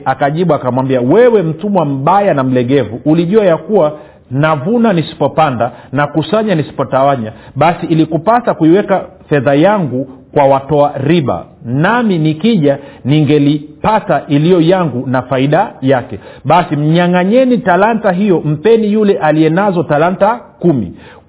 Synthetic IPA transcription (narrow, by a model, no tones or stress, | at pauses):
akaʄiɓuakamwambiawɛwɛm̩tumwam̩ɓajanam̩lɛɡɛvuʔuliʄuajakuwa | navunanisi̥pɔpandanakusaɲanisi̥pɔtawaɲaɓasiːlikupasakuiwɛka | fɛðajaŋɡukwawatɔaɾiɓa̰naminikiʄaniŋɡɛlipataʔilijɔjaŋɡunafaiɗajakɛɓasim̩ɲaŋaɲɛnitalantaɦijɔm̩pɛnijulɛʔaliɛnazɔtalantakumḭ